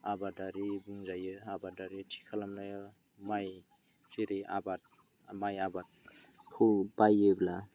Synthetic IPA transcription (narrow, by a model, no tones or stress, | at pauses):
abadaɾibuŋzajɯabadaɾitʰi̥kʰalamnaj | maj | siɾia̰bat̚ | majabat̚ | kʰɯwpajɯbla